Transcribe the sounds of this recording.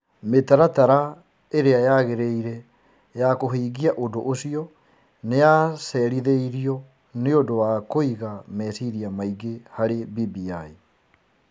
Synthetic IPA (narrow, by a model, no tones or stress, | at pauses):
metaɾataɾa | eɾeajaɣeɾeiɾɛ | jakoɦiːɣiaʔodoʔosiɔ | nejasɛɾiðeiɾiɔ | neodowakoiɣamɛsiɾiamaiɡehaɾebibiai